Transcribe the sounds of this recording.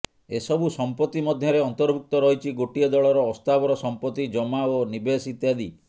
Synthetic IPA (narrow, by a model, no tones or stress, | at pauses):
esɔbusɔmpɔt̪ːimɔd̪ʱjɔɾeɔnt̪ɔɾbʱuk̚t̪ɔɾɔɦit͡ʃʰiɡoʈiɔd̪ɔɭɔɾɔːst̪abɔɾɔsɔmpɔt̪ːid͡ʒɔmaonibesit̪jad̪i